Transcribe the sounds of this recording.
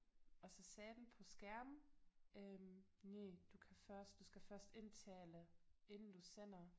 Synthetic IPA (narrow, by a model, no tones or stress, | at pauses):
ɒ̽sɒ̽sɛːd̥n̩pʰɒ̽sɡ̥æɐməʔøm | ned̥ukʰæfɶɐsd̥d̥usɡ̥æfɶɐsd̥e̝nt͡sʰɛ̰ːləe̝nn̩d̥usen̰ɐ